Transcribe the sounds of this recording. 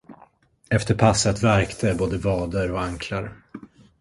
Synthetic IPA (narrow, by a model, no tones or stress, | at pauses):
ɛft̪əɾpʰasːət̪væɾkt̪ʰəboːd̪əvɑːd̪əɾɔaŋkʰlaɾ